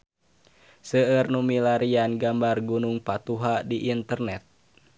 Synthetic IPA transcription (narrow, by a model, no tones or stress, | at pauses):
səərnumilaɾianɡambarɡunuŋpat̪uɦadiʔint̪ərnɛt̪̚